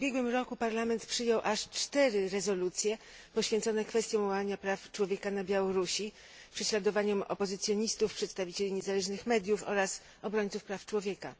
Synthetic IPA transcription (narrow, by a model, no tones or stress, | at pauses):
ubʲjɛɡwɘmɾɔkupaɾlamɛnt̪pʂɘjɔwʔaʂt͡ʂt̪ɛɾɘɾɛzɔlut̪sʲjɛpɔɕfʲɛ̃nt̪sɔnɛkfɛst̪ʲjɔ̃w̃waaɲapɾaft͡ʂwɔvʲjɛkanabʲjawɔɾuɕi | pʂɛɕlad̪ɔvaɲɔmɔ̰pɔzɘt̪sʲjɔɲist̪ufpʂɛt̪st̪avʲit͡ɕelʲiɲɛzalɛʐnɘxmɛd̪ʲjufɔ̰ɾas | ɔbɾɔɲʲt̪sufpɾaft͡ʂwɔvʲjɛka̰